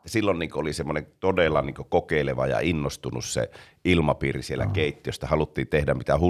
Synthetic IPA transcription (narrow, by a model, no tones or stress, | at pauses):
æsilːonniːŋkoʔolisemːoneŋt̪odelːɑniːŋkøkokeˑileʋɑ̰jɑ̰inːost̪unṵssḛ | ilmɑpiːrisielːæ̰keˑit̪ːijost̪ɑhɑlut̪ːiːnt̪ehdæmmit̪æhu